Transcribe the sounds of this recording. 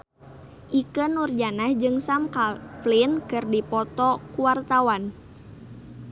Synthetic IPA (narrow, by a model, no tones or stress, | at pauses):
ʔikənurd͡ʒanahd͡ʒɨŋsamkalflinkɨrdipɔt̪ɔkuwart̪awan